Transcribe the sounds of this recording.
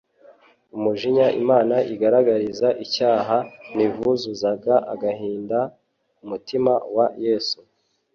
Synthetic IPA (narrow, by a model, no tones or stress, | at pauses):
umuʒiɲaʔimaːnaʔiɡaɾaɡaɾizaʔicaːɦanivuzuzaɡaʔa̰ɡahiːnda | umutimawajeːsu